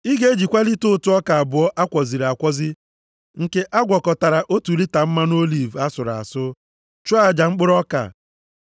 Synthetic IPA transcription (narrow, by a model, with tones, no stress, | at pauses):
i˦ɡe˦d͡ʒi˨kʷa˦li˦tʊ˦tʊ˦ɔ˦ka˨a˨bʊ˨ɔ˦ʔa˦kʷɔ˨zi˨ɾa˨kʷɔ˦zɪ˦ | ŋ̩˨ke˦ʔa˦ɡʷɔ˨kɔ˨ta˨ɾa˨ʔo˦tu˨li˦ta˨m̩˦ma˦n˦o˦li˨va˦sʊ˨ɾa̰˨sʊ˦ | t͡ʃa˦˨d͡ʒa˨ŋ͡m̩˦k͡pʊ˦ɾɔ˦ka̰˨